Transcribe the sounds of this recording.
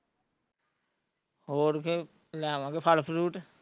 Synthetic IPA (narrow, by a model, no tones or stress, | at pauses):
ɦoːɾke | lɛːʋãːkepʰəlpʰɾuːʈ